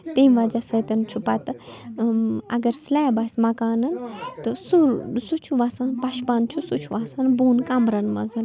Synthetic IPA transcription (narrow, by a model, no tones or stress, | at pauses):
t̪emʋad͡ʒasɐt̪ɐnt͡ʃʰupɐt̪ɨ | ɐ̰ɡɐɾslaːjbasʲmɐkaːnɐnt̪ɨsuɾsut͡ʃʰuʋaːsanpɐʃpaːnt͡ʃʰusut͡ʃʰuʋaːsanbuːnkamɾɐnmɐ̰zɨn